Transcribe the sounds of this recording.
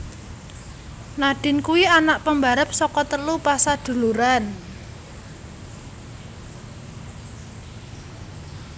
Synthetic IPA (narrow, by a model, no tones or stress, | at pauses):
naɖ̥ɪ̤nkuwianaʔpəmbaɾəp̚sɔkɔt̪əlupasad̪̥ṳluɾan